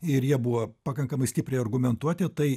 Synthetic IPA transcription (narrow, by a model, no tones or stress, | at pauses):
ɪɾjiɛbʊʋopɐkɐŋkɐmɐɪsʲt̪ʲɪpʲɾʲɛɪɐrɡʊmʲɛnt̪uɔt̪ʲɪt̪ɐɪ